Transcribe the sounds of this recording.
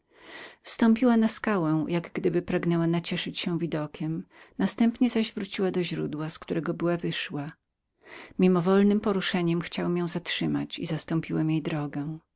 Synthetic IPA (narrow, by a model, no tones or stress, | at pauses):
fst̪ɔmpʲiwanaskawɛ̃w̃jaɡɡd̪ɘbɘpɾaɡnɛwanat͡ɕɛʂɘt͡ɕɕɛ̃w̃vʲid̪ɔkʲɛmnast̪ɛmpɲɛzaʑvɾut͡ɕiwad̪ɔʑɾud̪waskt̪uɾɛɡɔbɘwavɘʂwa | mʲimɔvɔlnɘmpɔɾuʂɛɲɛmxt͡ɕawɛmjɔ̃w̃zatʂɘma̰t͡ɕḭzast̪ɔ̃mpʲiwɛmjejd̪ɾɔɡɛ̃